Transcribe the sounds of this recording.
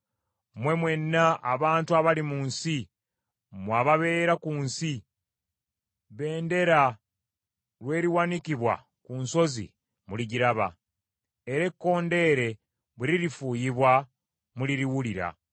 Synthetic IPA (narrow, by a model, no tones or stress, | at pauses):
mwe̞mwe̞nːaːβaːntuaβalimunsi | mwaβaβe̞ːɾakuːnsi | βe̞ːnde̞ɾa | ɾwe̞ːɾiwanikiβwa̰ | kunso̞zḭ | muliɟiɾaβa̰ | e̞ɾe̞kːo̞ːnde̞ːɾe̞ | βuɾiɾifuːjiβwa | muliɾiwuliɾa̰